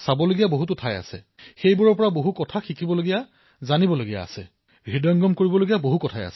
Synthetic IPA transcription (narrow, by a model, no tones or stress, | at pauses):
sabɔloɡijaboɦututʰaja̰sɛ̰ | xejbuɹɔɹpɔɹaboɦukɔtʰaxikʰibɔloɡija | zanibɔloɡija̰ːsɛ | ɹidɔŋɡɔmkoɹibɔloɡijaboɦukɔtʰaja̰sɛ